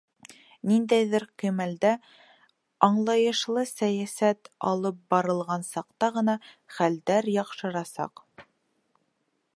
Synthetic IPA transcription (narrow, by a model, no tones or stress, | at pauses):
nind̪æjðɘɾqimæld̪æ | ɑɴlˠɑjɤ̆ʃlˠɤsæjæsæt̪ɑ̰lˠɤp̚bɑɾɤ̆lˠʁɑnsɑqt̪ɑʁɤ̆nɑχæld̪æɾjɑqʃɤ̆ɾɑsɑ̰q